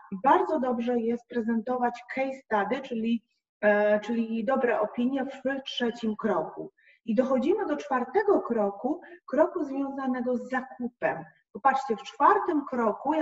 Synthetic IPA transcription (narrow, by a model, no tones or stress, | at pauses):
ibaɾd̪zɔd̪ɔbʐɛjɛst̪̚pɾɛzɛnt̪ɔvat͡ɕkʰɛjst̪ad̪ɘt͡ʂɘlʲi | t͡ʂɘlʲid̪ɔbɾɛʔɔpʲiɲjɛvtʂɛt͡ɕimkɾɔkṵ | id̪ɔxɔd͡ʑimɘd̪ɔt͡ʂfaɾt̪ɛɡɔkɾɔkukɾɔkuzvʲjɔ̃w̃zanɛɡɔzːakupɛ̰m | pɔpat͡ʂt͡ɕɛft͡ʂfaɾt̪ɘmkɾɔku